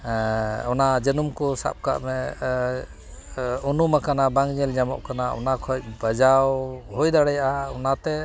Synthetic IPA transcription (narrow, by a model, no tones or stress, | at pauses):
ɔnad͡ʒənumkɔsa̰p̚ka̰ʔmɛ | ɔnumakanabaŋɲɛld͡ʒamɔ̰ʔkanaɔ̰nakʰɔc̚bəd͡ʒawɦɔjd̪aɽɛjaʔaɔnat̪ɛ